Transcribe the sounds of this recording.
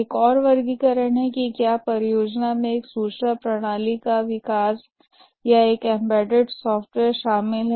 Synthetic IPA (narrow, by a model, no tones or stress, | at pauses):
eːkɔːɾʋɐɾɡikɐɾəɽ̃ɦɛkikjaːpɐɾjoːd͡ʒnamẽeːksuːʃɾapɾɐɽ̃aːlikaʋɪkaːs | jaeːkɛ̃mbɛːɖɪɖsɔːfʈʋeːɾʃaːmɪlɦ